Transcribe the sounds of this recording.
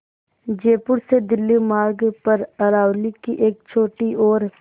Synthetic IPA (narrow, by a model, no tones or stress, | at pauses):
d͡ʒeːpʊɾsed̪ɪlːimaːɾɡpɐɾɐɾaːwlikiʔeːk̚t͡ʃʰoːʈioːɾ